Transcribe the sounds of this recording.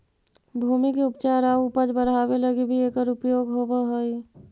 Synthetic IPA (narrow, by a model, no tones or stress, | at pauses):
bʱuːmikeʊpt͡ʃaɾaupəd͡ʒbəɾɦaːbeləɡibʱieːkəɾʊpjoːɡɦobaɦoi